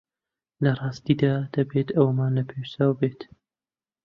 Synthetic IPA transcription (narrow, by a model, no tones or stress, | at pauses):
lɐrˤɑːst̪id̪ad̪̥ɐbet̪ɐwmaːnlɐpʰewsaːwbet̪